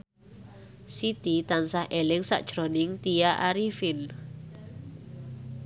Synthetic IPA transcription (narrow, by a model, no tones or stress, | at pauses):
sit̪it̪ansahʔelɛŋsa̰ʔd̥ʒ̥ɾonɪŋt̪ijaʔaɾifɪn